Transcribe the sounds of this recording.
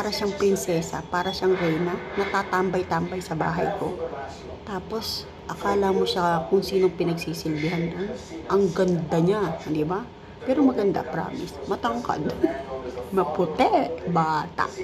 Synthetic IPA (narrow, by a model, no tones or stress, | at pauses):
paːɾɐʃaŋpɾɪnsɛːsɐ̰paːɾɐʃaŋɾɛjnɐnɐt̪aːt̪ambɐjt̪ambɐjsɐba̰ːɦɐ̰jko̞̰ | t̪aːpo̞s | ʔɐkaːlɐmoʃakʊŋsiːno̞ŋpɪnɐɡsiːsɪlbɪɦanlanʔɐŋɡɐnd̪aɲad̪ɪba | pɛːɾomɐɡɐnd̪a̰pɾa̰ːmɪ̰smɐt̪ɐŋka̰d̪ | mɐpʊt̪ɛʔʔbaːt̪a̰ʔ